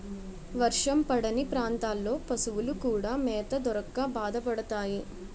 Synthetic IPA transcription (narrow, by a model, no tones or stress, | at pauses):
ʋɐɾʂɐmpɐɽɐnipɾaːnt̪aːlːo̞ːpɐsuʋulukuːɽaːmɛːt̪ɐd̪ɔɾɐkːaːbaːd̪ɐpɐɽɐt̪aːji